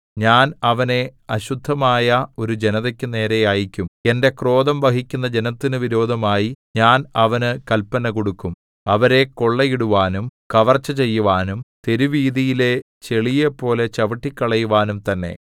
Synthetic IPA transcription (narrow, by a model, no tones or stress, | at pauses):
ɲaːnɐʋɐne̞ɐɕud̪ʱːɐmaːjɐo̞ɾud͡ʑe̞nɐðɐkʲːɨne̞ːɾejaːjikʲːume̞nde̞kro̞ːd̪ɐmʋɐɦikʲːun̪ːɐd͡ʑe̞nɐt̪ːinɨʋiɾo̞ːd̪ʱɐmaːjiɲaːnɐʋɐnɨkɐlpːɐnɐkoɽukːum | ɐʋɐɾe̞ko̞ɭːɐjiɽuʋaːnumkɐʋɐrt͡ɕːɐt͡ɕe̞jːuʋaːnumt̪e̞ɾuʋiːðijile | t͡ɕe̞ɭijepːo̞ːle̞t͡ɕɐʋɐʈːikʲːɐɭɐjuʋaːnumt̪ɐnːe̞̰